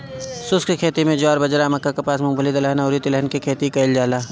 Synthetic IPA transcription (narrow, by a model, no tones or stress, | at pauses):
sʊskikʰeːt̪imẽd͡ʒʊaːɾbɐd͡ʒɾamɐkːakepaːsmʊ̃ŋbʱəlid̪ɐləɦnaʊːɾit̪ɪlɛɦnkikʰeːt̪ikɐɪld͡ʒaːlaː